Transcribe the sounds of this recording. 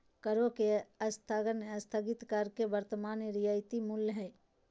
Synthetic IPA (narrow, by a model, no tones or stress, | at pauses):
kəɾokeəst̪ʰaɡənəst̪ʰəɡɪt̪kəɾkeʋəɾt̪əmaːnɾijaɪt̪imulːɦɛː